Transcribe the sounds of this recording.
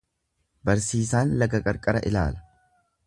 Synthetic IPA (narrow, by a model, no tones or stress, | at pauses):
bɐɾsiːsaːnlɐɡɐkʼɐɾkʼɐɾɐʔɪla̰ːlɐ̥